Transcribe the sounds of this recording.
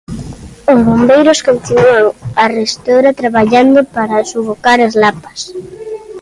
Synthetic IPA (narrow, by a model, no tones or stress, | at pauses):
ozβombejɾʊskont̪inuaŋarest̪oɾat̪ɾaβaʎand̪opaɾasuβokaɾazlapḁs